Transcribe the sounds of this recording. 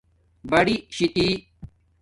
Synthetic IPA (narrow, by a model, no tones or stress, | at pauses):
bɐɽiɕit̪i